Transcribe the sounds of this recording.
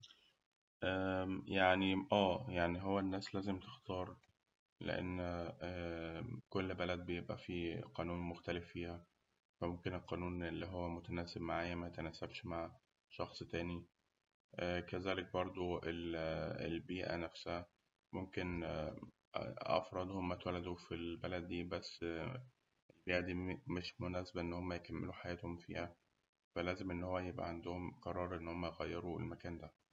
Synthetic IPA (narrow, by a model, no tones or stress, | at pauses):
ʔæjaʕniʔæːjaʕniɦowːænːæːslæːzemt̪e̥xt̪ɑːɾˤ | lḛʔḛnː | kolːbælæd̪̚bejebʔæ̰fiqɑːnuːnmoxt̪ælefːiːhæ | fæmomkenelqɑːnuːnʔelːiːɦowːæmot̪ænæːseb̚maʕajːæmæjet̪ænæːsæbʃmaʕ | ʃɑxsˤt̪æːni | ʔækæzæːlek̚bɑɾˤd̪ˤoelḛlbiːʔæ̰næfshæ | momken | ʔɑ̰fɾˤɑd̪homːæt̪wælːæd̪ufilbælæd̪̚ːiːbæsː | ʔelbiːʔæd̪iːmeʃmonæːsebæʔenːhomːæjekæmːeluħajæːt̪homfḭːhæ | fælæːzemʔenːhowːæjebʔæ̰ʕand̪ohomqɑɾˤɑːɾˤʔenːhomːæjɣæjːeɾuḛlmækæːnd̪æ